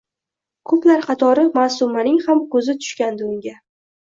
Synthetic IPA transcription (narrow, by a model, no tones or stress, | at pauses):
kʰɵplaɾqʰɑt̪ʰɒɾɪmasʊmanɪŋhamkʰɵzɪt̪ʰʊ̥ʃkʲand̪ɪʊŋɡʲa